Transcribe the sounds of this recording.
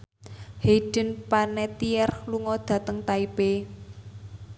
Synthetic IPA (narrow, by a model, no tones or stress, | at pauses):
heiɖ̥ə̤npanɛt̪iɛrluŋɔd̪̥ä̤t̪əŋt̪aipe